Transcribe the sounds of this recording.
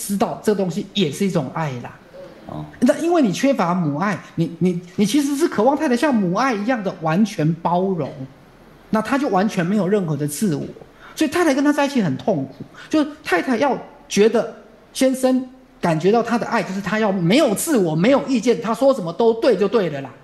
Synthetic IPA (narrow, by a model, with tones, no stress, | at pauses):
ʈ͡ʂɻ̩˥t̪ɑ˥˩ʊʈ͡ʂɤ˥˩ɡə˩t̪o˥ŋɕi˦jɛ˨˩ʂɻ̩˥˩i˥˩ʈ͡ʂʊ˨˩ŋa˥˩ɪlə̰˩ | na˥˧i˦˥nwe˥˩ɪni˨˩t͡ɕʰɥɛ˥fa˧˥mu˨˩˦a˥˩ɪni˨˩ni˨˩ni˨˩t͡ɕʰi˧˥ʂ̬ɻ̩˧ʂ̬ɻ̩˥˩kʰɤ˨˩wɑ˥˧ŋt̪ʰa˥˩tʰa˧˩ɕjɑ˥˩ŋmu˨˩a˥˩ɪi˧˥jɑ˥˩ŋd̪ə˩wa˧˦˥nt͡ɕʰɥɛ˧˥npɑ˥ʊɻo̰˧˥˦ŋ | na˥˩t̪ʰa˥t͡ɕjo˥˩ʊwa˧˥nt͡ɕʰɥɛ˧nme˧˥ɪjo˨˩ʊɻə˥˩nxɤ˧˥d̪ə˧t͡sɹ̩˥˩wɔ̰˨˩˦ | swɔ˧˥i˨t̪ʰa˥˩ɪ˧˥kə˥nt̪ʰa˥t͡sa˥˧ɪi˥t͡ɕʰi˨˥˩xə˨˩nt̪ʰo˥˩ŋkʰu˨˩˦t͡ɕjo˥˧ʊʂ̩˥˩t̪ʰa˥˧ɪt̪ʰa˨˩ɪjɑ˥˩ʊ | t͡ɕɥɛ˧˥d̪ə˨ | ɕjɛ˥nʂə˥n | ka˨˩nt͡ɕɥɛ˧˥t̪ɑ˥˩ʊt̪ʰa˥d̪ə̰˨˧ʔa˥˧ɪt͡ɕo˥˧ʊʂɻ̩˥˩t̪ʰa˥jɑ˥˩ʊme˧˥ɪjo˨˩ʊt͡sʰɹ̩˥˩wɔ˨˩˦me˧˥ɪjo˨˩ʊi˥˧t͡ɕjɛ˥˩nt̪ʰa˥swɔ˥ʂə˨˩nmə˦t̪o˥ʊt̪we˥˧ɪt͡ɕjo˥˧ʊt̪we˥˩ɪlə˩lɐ˩